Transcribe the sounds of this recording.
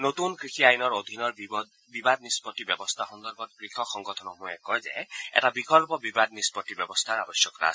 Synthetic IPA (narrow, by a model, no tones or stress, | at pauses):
notunkɹixiajnɔɹod̪ʱinɔɹ | bibad̪̚nispɔtːibɛbɔst̪ʰaxɔnd̪ɔɹbɔt̚kɹikʰɔkxɔŋɡɔtʰɔnɔmujɛkɔjzɛ̰ɛ̰tabikɔlpɔbibad̪̚nispɔtːibɔbɔst̪ʰaɹabɔsjɔkɾa̰s